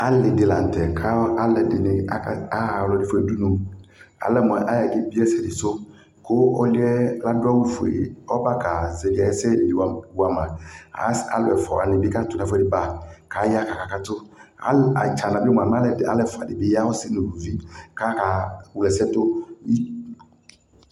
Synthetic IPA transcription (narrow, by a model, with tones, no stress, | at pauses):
a˦lɪ˨dɪ˨la˨n̩˨tɛ˨kʰa˦a˦lɛ˨dɪ˨nɪ˨˦a˦˨lɔ˨dɪ˨fʊ˨ɛ˨du˦nʊ̃˨a̰˨lɛ˦mʊ˨ʔa˦˨ʔɪ˦bi˦ɛ˦sɛ˨dɪ˨sʊ˦ | kʰʊ˦ɔ˦lɪ˦ɛ˦la˦dʊ˦a˦wu˦fu˨ḛ˨ɔ˦ba˦ka˨zɛ˨dɪ˨a˨ɛ˦sɛ˦˨dɪ˨a˨wa˨mã˨a̰˨˦a̰˦lʊ˦ɛ˨fɔ̰˨a̰˨nɪ̃˨bɪ˦ka˦tʊ˨na˨fɛ˨dɪ˦ba˦˨ka˨˦ja˦ka˨ka˨ka˦tʊ˦a̰˦a˨t͡ʃa˨nã˨bmʊ˨a˨m˦a˦lɛ˨dɪ˨a̰˦lɛ˦fa̰˨dɪ˨bɪ˨˦ja˦wɔ˦sɪ˦nʊ̃˨ɡu˨zi˦ka˦ka˨wu˨lɛ˨sɛ˦tʊ˦i˦